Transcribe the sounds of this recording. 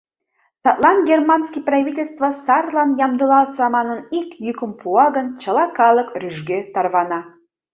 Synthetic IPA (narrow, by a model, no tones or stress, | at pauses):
sɑt̪lˠɑnɡʲermɑnskiprɑvʲitʲelʲst̪vəsɑrlˠɑnjɑmd̪əlɑlˠsɑmɑnənikjykəmpuɑɣənt͡ɕə̆lɑkɑlˠəkryʒɡet̪ɑrβɑnɑ